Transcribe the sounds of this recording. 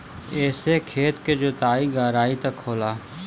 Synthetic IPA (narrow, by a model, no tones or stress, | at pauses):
ɛːsekʰeːt̪ked͡ʒoːt̪aːiɡaːɾaːit̪ɐkʰːoːlaː